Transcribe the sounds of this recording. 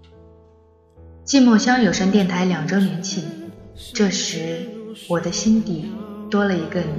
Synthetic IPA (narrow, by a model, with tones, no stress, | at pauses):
t͡ɕi˥˧mwɔ˥˩ɕjɑ˥ŋjo˨˩ʊʂə˥nt̪jɛ˥˩nt̪ʰa˧˥ɪljɑ˨˩ŋʈ͡ʂo˥ʊnjɛ˧˥nt͡ɕʰi˥˩ʈ͡ʂɤ˥˩ʂɻ̩˧˥wɔ˨˩d̪ə˦ɕi˥nt̪i˨˩t̪wɔ˥lə˨i˧˥ɡə˧